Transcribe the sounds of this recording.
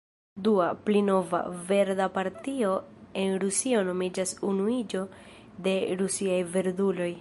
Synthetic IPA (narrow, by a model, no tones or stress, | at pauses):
duaplino̞va̰ve̞ɾdapaɾtio̞e̞nɾusio̞no̞mid͡ʒasunuid͡ʒo̞ | de̞ɾusiajve̞ɾdulo̞j